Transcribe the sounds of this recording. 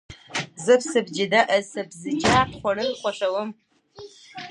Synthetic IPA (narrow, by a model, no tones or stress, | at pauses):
zɨpsɨbd͡ʒɪdɐʔɐsɐbzɨkʲʰaːqχʷɔrɨχʷɔɕɐwɐm